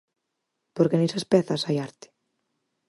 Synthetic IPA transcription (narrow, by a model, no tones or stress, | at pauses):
poɾkenesaspɛθasajaɾt̪ɪ̥